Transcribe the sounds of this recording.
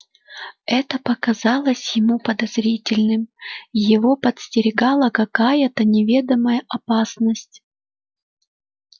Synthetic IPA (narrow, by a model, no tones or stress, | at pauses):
ɛt̪əpəkɐzɑlˠəsʲjɪmupəd̪ɐz̥ɾʲitʲɪlʲnɨmjɪvopət̪sʲtʲɪɾʲɪɡɑlˠəkɐkajət̪ənʲɪvʲed̪əməjəʔɐpasnəsʲtʲ